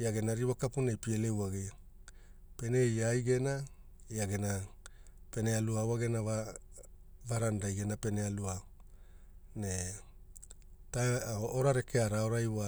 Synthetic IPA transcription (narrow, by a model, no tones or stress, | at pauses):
iaɡe̞naɾiwakapunejpielewaɡea | pe̞ne̞jajɡe̞na | iaɡe̞na | pe̞ne̞aluawaɡenava | vaɾandajɡe̞nape̞nealua | ne | taoɾaɾe̞kʰeaɾaoɾajwa